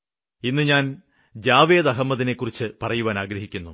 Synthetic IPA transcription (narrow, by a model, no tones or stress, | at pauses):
inːɨɲaːn | d͡ʑaːʋe̞ːd̪ɐɦɐmːɐðine̞kːurit͡ɕːɨpɐrɐjuʋaːnaːɡɾɐɦikʲːunːu